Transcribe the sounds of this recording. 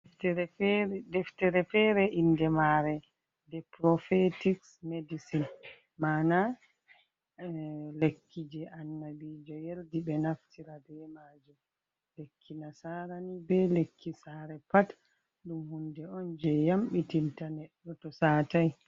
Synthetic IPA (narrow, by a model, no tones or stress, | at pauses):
tɛɾɛdɛftɛɾɛfɛɾɛʔindɛmaɾɛ | dɛpɾɔfetiksmedisin | maːna | lekʰːid͡ʒɛʔanːabid͡ʒɔjeldibɛnaftʰiɾadɛmad͡ʒum | lekʰːinasaɾanibɛlekʰːisaːɾɛpat | ɗumhundɛɔnd͡ʒɛjamɓitintanɛɗːɔtɔsaːtaj